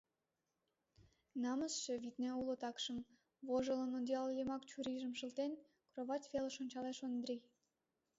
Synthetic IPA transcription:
nɑməsʃĕβit̪neulot̪ɑkʃə̆m | βoʒələnond̪ʲjɑljəmɑkt͡ɕuɾiʒə̆mʃə̆lt̪en | kroβɑt̪ʲveləʃonʲt͡ɕɑleʃond̪ɾʲij

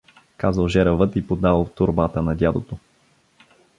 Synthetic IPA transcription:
kazəlˠʒɛɾəvət̪ipod̪alˠt̪oɾbat̪ənɐd̪ʲjad̪ot̪o

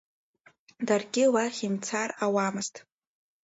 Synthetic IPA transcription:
darɡʲɪlaχʲimt͡sʰarawamɨztʼ

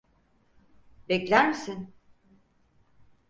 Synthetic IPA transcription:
bɛclʲæɾmisin

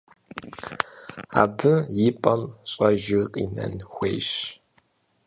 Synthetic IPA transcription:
a̰ːbɨjɪpʼɐmɕʼɐʒɪqʼḭːnɐ̰nxʷḛːjɕ

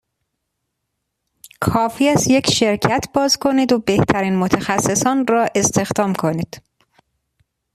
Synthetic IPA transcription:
kʰɒːfiæsje̞cʰʃe̞ɾcʰæt̪ʰbɒːzkʰo̞niːd̪obe̞ht̪ʰæɾiːnmot̪ʰæxæsːe̞sɒːnɾɒːʔe̞st̪e̞xd̪ɒːmkʰo̞niːd̪̥

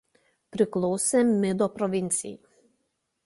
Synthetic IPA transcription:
pɾɪklˠɔwsʲɛmːɪd̪ɔpɾɔʋʲinʲt͡ssʲḭji

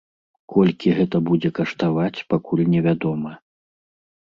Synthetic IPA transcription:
kʰɔlʲkʲiɣɛt̪ɐbud͡zʲɛkɐʂt̪avat͡sʲpakulʲnʲɛvʲad̪ɔmɐ

